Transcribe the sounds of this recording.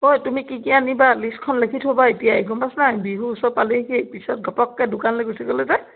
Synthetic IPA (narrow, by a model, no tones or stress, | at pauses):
ojtumikikianibaliskʰɔnlekʰitʰɦobaitijaeɡɔmasnajbiɦuːsɔpalikepisɔt̚ɡʱɔpɔkːadʊkanleɡosiɡɔlɛzɛ